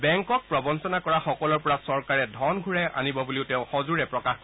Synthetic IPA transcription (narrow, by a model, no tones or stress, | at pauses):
bɛŋkɔk̚pɹɔbɔnsɔnakɔɹaxɔkɔlɔɹpɔɹasɔɹkaɹɛdʱɔnɡʱuɹɛʔa̰nibɔbuliʊteʊ̃xɔzuɹɛpɹɔkaxk